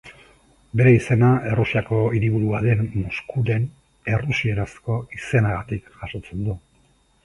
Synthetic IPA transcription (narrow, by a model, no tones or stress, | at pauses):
be̞ɾe̞ise̞nae̞rusiako̞iɾiβuɾuaðe̞nmoskuɾe̞n | e̞rusie̞ɾasko̞ise̞naɣat̪ikʝaʃo̞t͡se̞nd̪u